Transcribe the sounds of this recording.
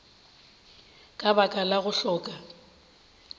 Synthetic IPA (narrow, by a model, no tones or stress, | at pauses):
kʼabakʼalaɣʊɬɔːkʼa